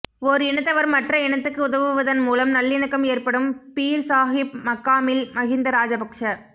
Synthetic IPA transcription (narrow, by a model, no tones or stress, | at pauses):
ɔɾɯɪnɐt̪ːɐʋɐɾmɐʈrɐɪɳɐt̪ːɯkːɯʊðɐʋɯʋɐðɐnmuːlɐmnɐlːɪnɯkːɐmeːrpɐɽɯmpiːɾsaːɦɪp̚mɐkːaːmɪlmɐɣɪnd̪ɐɾaːd͡ʒɐpɐkʂɐ